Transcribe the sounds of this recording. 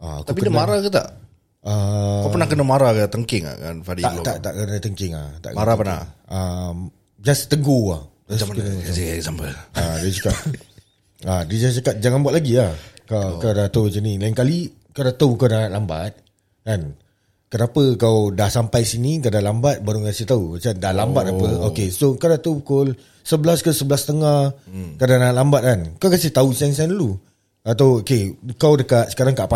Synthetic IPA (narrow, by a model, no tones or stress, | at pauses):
aak̪aupikədanmaɾakət̪a̰ʔ | əkapənahkənəmaɾakət̪əŋkɪŋa̰ka̰nfadiat̪aʔt̪a̰ʔkənət̪əŋkɪŋa̰t̪a̰ʔkmaɾapana̰əm | d͡ʒast̪əɡoa | askənəiɛsambəadasakaʔ | adid͡ʒast͡ʃakat̪̚d͡ʒaŋanbuat̪̚laɡiahkakadat̪əwat͡ʃənĩlaiŋkali | kawdat̪akawnanaʔlamba̰t̪̚ | kan | kənapəkawdahsampajsinĩkadalambat̪̚baɾuŋkasɪht̪ausandahlambat̪̚aəokesokadat̪aupukʊl | səblaskəsəbəlast̪əŋahkadaŋnaaʔlambat̪̚kankawkasɪht̪ausiaŋsiandlu | at̪awokeukawdəkat̪̚sə̥kaɾaŋkaʔpa